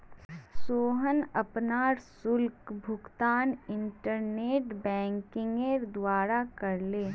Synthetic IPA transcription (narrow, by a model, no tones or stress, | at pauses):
soːɦənɐpnaːɾsʊlkbʱʊɡt̪aːnɪ̃ɳʈəɾneːʈbɛ̃ːŋkɪ̃ŋɡeɾd̪waːɾakɐɾleː